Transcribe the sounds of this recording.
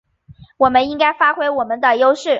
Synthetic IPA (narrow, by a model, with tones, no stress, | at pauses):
wɔ˨˩mə˦ni˥ŋka˥ɪfa˥xwe˥ɪwɔ˨˩mə˦nd̪ə˧jo˥ʊʂɻ̩˥˩